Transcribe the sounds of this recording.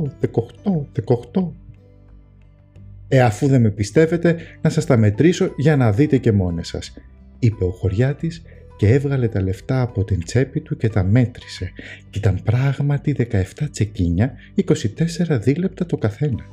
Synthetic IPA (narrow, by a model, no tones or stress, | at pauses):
ðekoxt̪oðekɐoxt̪o̞ | eɐfuðe̞me̞pist̪e̞ve̞t̪e̞nɐsɐst̪ɐme̞t̪ɾiso̞ʝɐnɐðit̪e̞ce̞mo̞nesɐ̰s | ipe̞o̞xo̞ɾʝɐt̪is | ce̞evɣɐle̞t̪ɐle̞ft̪ɐːpo̞t̪int͡se̞pit̪uce̞t̪ɐme̞t̪ɾi̥se̞cit̪ɐmpɾɐɣmɐt̪iðe̞kɐe̞ft̪ɐt͡se̞ciɲɐ | iko̞sit̪e̞se̞ɾɐðile̞p̚t̪ɐt̪o̞kɐθe̞nɐ